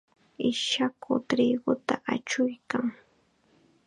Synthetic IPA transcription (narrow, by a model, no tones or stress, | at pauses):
ɪʃakʰʊt̪ɾɪɡʊt̪aʔat͡ʃʊjkaŋ